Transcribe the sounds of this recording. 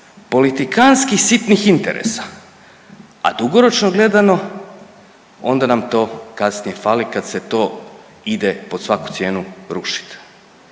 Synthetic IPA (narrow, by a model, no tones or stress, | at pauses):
po̞lit̪ikanskixsit̪nixint̪eɾḛsḁ | a̰d̪uɡo̞ɾo̞t͡ʃnoɡle̞d̪ano̞ | o̞̰nd̪anamt̪o̞ːkasnije̞faːlikad̪se̞t̪oː | id̪epo̥sʋaku̥t̪sje̞ːnuɾuʃi̥t̪